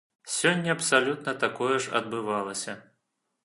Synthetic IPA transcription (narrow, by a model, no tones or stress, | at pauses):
sʲɔnʲːɐɐpsalʲut̪nɐt̪akɔjɛʐɐ̰d̪̚bɨvalˠɐsʲɐ